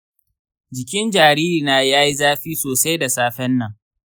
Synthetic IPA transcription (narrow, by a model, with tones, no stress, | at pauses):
d͡ʒɪ˨kʲɪ˦nd͡ʒaː˨ɾiː˦ɾi˨naː˦jaː˦ji˦zaː˦ɸiː˦soː˨sa˦jda˨saː˦ɸɛ˦nːɐ˨ŋ